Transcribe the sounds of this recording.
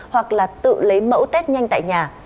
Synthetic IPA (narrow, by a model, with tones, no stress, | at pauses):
hwa˨˩k̚laː˨˩t̪ɨ̰˧˨lə˨˦jmə̰˧˥wt̪e˦˥t̚ɲa˧jŋt̪a̰ː˧˨jɲaː˨˩